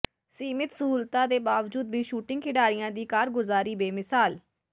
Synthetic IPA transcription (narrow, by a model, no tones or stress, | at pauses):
siːmɪt̪səɦuːlt̪aːd̪eːbaːʋd͡ʒuːd̪bʱiːʃuːʈɪ̃ŋɡkʰɪɖaːɾɪjãːd̪iːkaːɾɡʊzaːɾiːbeːmɪsaːl